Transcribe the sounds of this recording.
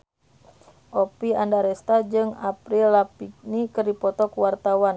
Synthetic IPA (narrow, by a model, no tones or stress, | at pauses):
ʔɔpiandaɾɛst̪ad͡ʒɨŋapɾilːapik̚nikɨrdipɔt̪ɔkuwart̪awan